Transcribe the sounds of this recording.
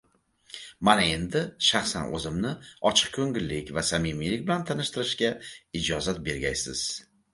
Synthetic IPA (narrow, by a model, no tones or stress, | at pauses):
manae̞nd̪ɪʃaχsanʔɵ̰zɪmnɪɒt͡ʃʰɨ̥q̚kʲʰɵŋɡʲɪlːɪkʲvasamimilɪk̚ʲbɪlant̪ʰanɪʃt̪ɪɾɪʃkʲaɪd͡ʒɒzat̪̚be̞ɾɡʲajsɪ̰z̥